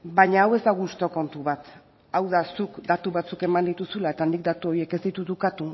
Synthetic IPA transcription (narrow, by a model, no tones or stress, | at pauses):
baɲaːwe̞zd̪aɣust̪o̞ko̞nt̪uβat̪ | awðasukd̪at̪uβat͡suke̞mand̪it̪usulae̞t̪anik̚d̪at̪uo̞ɾie̞ke̞zd̪it̪ut̪ukat̪u